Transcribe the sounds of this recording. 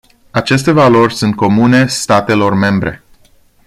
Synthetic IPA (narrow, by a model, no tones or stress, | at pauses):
at͡ʃe̞st̪e̞valo̞rʲsunt̪̚ko̞mune̞st̪at̪e̞lo̞rme̞mbɾʔḛ